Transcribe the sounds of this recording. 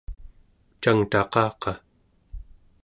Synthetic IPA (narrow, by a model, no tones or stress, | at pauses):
t͡ʃaŋt̪ɑqɑːqɑ